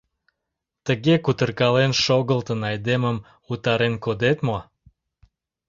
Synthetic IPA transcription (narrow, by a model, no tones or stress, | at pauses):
t̪əɣekut̪ərkɑlenʃoɣəlt̪ənɑjd̪eməm | ut̪ɑɾenkod̪et̪mo